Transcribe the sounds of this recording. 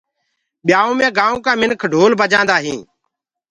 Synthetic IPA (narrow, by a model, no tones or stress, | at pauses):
ɓɪjaːõːmẽːɡaːõːkãːmɪnkʰɖʱoːlbəd͡ʒãːnd̪aːɦĩː